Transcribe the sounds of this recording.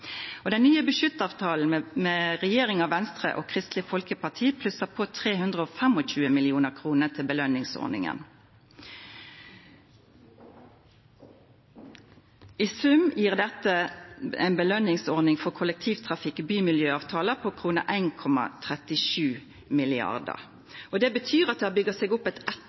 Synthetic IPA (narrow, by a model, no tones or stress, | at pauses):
oːd̪ɛnnyːəbəʃʏt̪ɑːʋt̪ʰɑːln̩meːʁɛjeːʁɪŋɑːʋɛnst̪ʁə̰ʔo̰ːkʰʁɪst̪lɪfɔlkəpɑʁt̪ʰiːpʰlʉsəpʰoːt̪ʰʁeːhʉnd̪ʁəoːfɛmɔc͡çʉːəmɪlɪuːnəʁkʰʁuːnət̪ʰɪlbəlœnɪŋsɔ̰ʁnɪ̰ŋə̰n | iːsʉmjiːʁd̪ɛt̪əæ̰ɪnbəlœnɪŋsɔʁnɪŋfɔʁkʰʊlək̚t̪ʰiːʋt̪ʰʁɑfɪkbyːmɪljøːɑːʋt̪ʰɑːləpʰoːkʰʁuːnə̰ʔæɪnkʰɔmɑ̰t̪ʰʁɛt̪ɪʃʉː | mɪlɪɑ̰ʁd̪ə̰ʁ | od̪ɛːbət̪ʰyːʁɑt̪̚d̪ɛːhɑbʏɡəseːɡʊpɛt̪ɛt̪